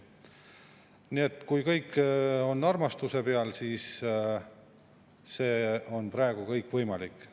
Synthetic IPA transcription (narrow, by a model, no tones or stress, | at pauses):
nie̞t̪ːˑkujkɤjkːo̞nːɑrmɑst̪use̞pe̞ɑlsiːs | se̞ːo̞npɾɑe̞ɡ̥ukɤjkːvɤjmɑlikˑː